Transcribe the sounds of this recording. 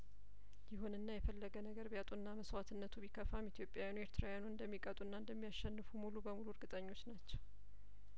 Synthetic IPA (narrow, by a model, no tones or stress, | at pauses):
jɪhunɨnːajɛfəlːəɡənəɡəɾbjat̪ʼuɨnːaməswat̪ʰɨnːət̪ʰuβikʰəfamit̪ʰjo̞pʼjawjanue̞ɾt̪ʰɾawjanuɨnd̪əmːikʼət̪ʼunːaɨnd̪əmːijaʃːɛnːɨfumulubəmuluɨɾɡɨt̪ʼəɲːo̞t͡ʃːnat͡ʃːɛw